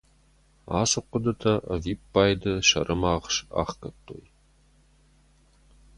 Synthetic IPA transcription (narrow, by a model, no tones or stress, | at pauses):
a̰ːsɨqʷʊdɐtʰɐʔɐviːpːaːjdɨʃɐ̰ɾʔɨmaːʁʃa̰ːχkɐt̪ʰʼːo̰ːj